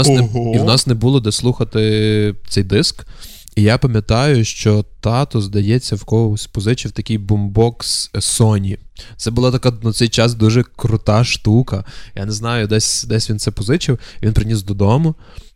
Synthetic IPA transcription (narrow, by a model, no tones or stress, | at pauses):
snɛiwnɑsnɛbulˠɔd̪ɛslˠuxɐt̪ɪt̪sɛjd̪ɪsk | ijapɐmʲjɐt̪ɑjʊʃt͡ʃɔt̪ɑt̪ɔzd̪ɐjɛt͡sʲːɐwkɔɔsʲpɔzɪt͡ʃiwt̪ɐkʲijbʊmbɔkssɔnʲit̪sɛbʊlˠɑt̪ɐkanɐt̪sɛjt͡ʃɑs̬d̪uʒɛkɾʊt̪ɑʃt̪ukɐjʔa̰nɛznɑjʊd̪ɛsʲd̪ɛsʲʋʲinsɛpɔzɪt͡ʃɪwiʋʲinpɾɪnʲisd̪ɔd̪ɔmʊ